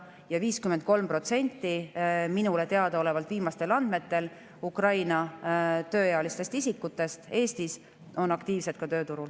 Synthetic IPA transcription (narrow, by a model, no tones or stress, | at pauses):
jɑviːskyment̪̚ko̞lmpro̞t̪se̞nʲt̪ːˑiminule̞t̪e̞ɑd̪̥ɑo̞le̞vɑlt̪viːmɑst̪e̞lɑnd̪̥me̞t̪ːe̞l | ukrɑjnɑt̪ø̞ːjeɑlist̪e̞st̪isikːˑut̪ːˑe̞st̪e̞ːst̪is | o̞nɑkt̪iːvse̞t̪̚kɑt̪ø̞ːt̪uɾul